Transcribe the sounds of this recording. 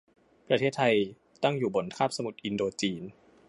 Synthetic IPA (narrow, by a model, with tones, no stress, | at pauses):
pɾa˧t̪ʰeː˥˩t̪ʰa˧j | t̪a˥˩ŋjuː˨˩bo˩˦nk̪ʰaː˥˩p̚sa˧mu˨˩t̪̚ʔi˧ndoː˧t͡ɕiː˧n